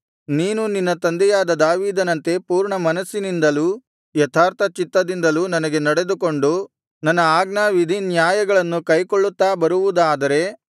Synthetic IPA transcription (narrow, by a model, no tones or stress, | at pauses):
niːnuninːɐt̪ɐnd̪ɛjaːd̪ɐd̪aːʋiːd̪ɐnɐnt̪e̞puːɾɳɐmɐnɐsːinind̪ɐlu | jɛt̪ʰaːɾt̪ʰɐt͡ʃit̪ːɐd̪ind̪ɐlunɐnɐɡe̞nɐɽe̞d̪uko̞ɳɖu | nɐnːɐaːɡnaːʋid̪ʱinjaːjɐɡɐɭɐnːukɐjkoɭːut̪ːaːbɐɾuʋud̪aːd̪ɐɾe̞